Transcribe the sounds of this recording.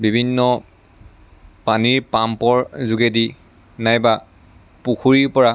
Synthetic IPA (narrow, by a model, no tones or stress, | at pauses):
bibʱinːɔ | paniɹpampɔɹzuɡɛdi | najba | puxʰuɹiɹpɔɹa